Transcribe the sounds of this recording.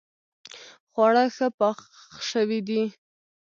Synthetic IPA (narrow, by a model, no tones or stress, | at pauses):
χwɑɽaxəpɑ | ʃəwid̪i